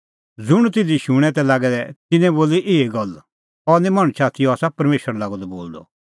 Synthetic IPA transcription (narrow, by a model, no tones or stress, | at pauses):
d͡zʊɽ̃t̪ɪd̪iʃʊɽ̃ɛ̃t̪ɛlaːɡɛd̪ɛt̪ɪnɛ̃boːliʔɪeɡɐl | ɔnĩmɐɽ̃t͡ʃʰaːt̪ijɔaːsapɐɾmeːʃəɾalaːɡɔd̪ɔboːld̪ɔ̰